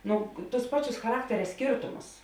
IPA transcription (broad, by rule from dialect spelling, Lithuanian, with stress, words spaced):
ˈnʊ tʊs ˈpɑːˌt͡ʃʲʊs xɐˈrɑːktʲɛrʲɛ ˈsʲkʲeːrtʊmʊs